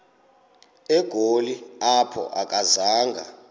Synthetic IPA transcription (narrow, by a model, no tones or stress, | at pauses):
ɛɡ̥ʱoliapʰɔ̰ʔak̬ʼazaːŋɡʱa̰